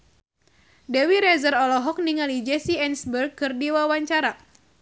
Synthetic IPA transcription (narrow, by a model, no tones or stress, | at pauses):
dɛwiɾɛzəɾɔlɔɦɔk̚niŋalid͡ʒɛsiɛnsbərɡ̚kːɨrdiwawaɲt͡ʃaɾa